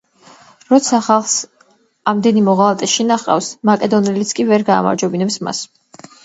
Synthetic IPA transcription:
ɾɔt̪sʰaχalˠχs | amd̪ɛnimɔʁalˠat̪ʼɛʃinaχqʼa̰fsmakʼɛd̪ɔnɛlit̪sʰkʼivɛɾɡa̰ːma̰ɾd͡ʒwɛbinɛpsma̰s

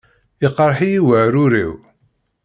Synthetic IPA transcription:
iqːɾˤħijiwæɾʊɾḭw

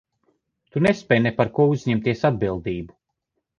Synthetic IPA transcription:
t̪unespɛjnepaɾkuɔuzɲemt̪iɛsad̪bilˠd̪iːbu

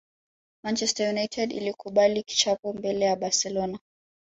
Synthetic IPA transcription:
mant͡ʃɛstajunajtʰɛdḭlikuɓaliki̥t͡ʃapɔmbɛlɛjaɓasɛlɔna

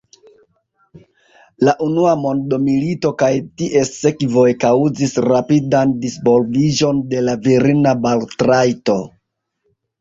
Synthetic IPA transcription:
laʔunuamo̞ndomilito̞kajtiʔe̞se̞kvo̞jkauzisɾapidandisvo̞lvid͡ʒo̞nde̞laviɾinabaltɾajto̞

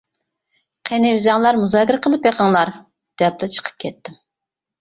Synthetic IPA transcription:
qʰenɪyzɑŋlˠɑɾmuzɑkʲiɾəqʰəlˠɨpjeqʰəŋlˠɑɾ | d̪̥ɛp̚lɪt͡ʃʰə̥qʰə̥p̚kʲʰɛt̪ːɪm

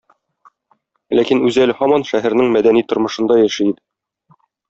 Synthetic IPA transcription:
lækinʉzælhɒmɑnʃæɦæɾnɘŋmæd̪ænit̪ŏɾmɤ̆ʃɤ̆nd̪ɑjæʃɘid̪ɘ

